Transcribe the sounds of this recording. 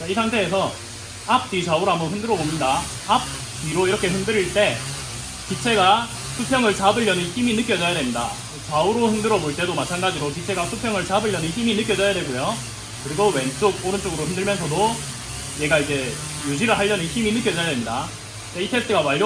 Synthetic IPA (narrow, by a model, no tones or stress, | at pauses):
t͡ɕaisʰaŋtʰe̞ːsʰʌ | ap̚t͈it͡ɕauɾoambʌnɦimndɯɾʌbominda | ap̚ | t͈iɾoiɾʌkʰe̞ɸimdɯɾiɭt͈e̞ | kit͡ɕʰe̞ɡa | sʰupʰjʌŋɯɭt͡ɕabɯʎːʌnɯnçiminɯk͈jʌd͡ʑʌjade̞mɲida̰ | t͡ɕauɾoçimdɯɾʌboɭt͈e̞domat͡ɕʰanɡad͡ʑiɾokit͡ɕʰe̞ɡasʰupʰjʌŋɯɭt͡ɕabɯɭːʌnɯnçiminɯk͈jʌd͡ʑʌjade̞ɡojo | kɯɾiɡowe̞nt͡ɕ͈oɡ̚oɾɯnt͡ɕ͈oɡɯɾoçimdɯɭmjʌnsʰʌdo | je̞ɡaid͡ʑe̞ | jud͡ʑiɾɯɭɦaʎːʌnɯnçiminɯk͈jʌd͡ʑʌjade̞mɲida | t͡ɕaitʰes̚t͈ʰɯɡamaʎː